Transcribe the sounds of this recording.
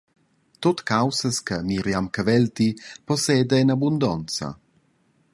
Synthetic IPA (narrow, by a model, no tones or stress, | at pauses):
t̪ot̪kawsəskəmiɾjamkavɛlt̪iposɛːd̪einabund̪ɔnt͡sa̰